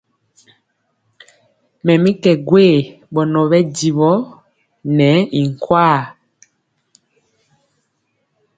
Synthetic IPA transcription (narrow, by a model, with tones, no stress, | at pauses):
mɛ˨mi˦kɛ˨ɡwe˦˨ | ɓɔ˨nɔ˨βɛ˦di˨βɔ˦ | nɛ˨˦i˨ŋ˨kwaː˦˨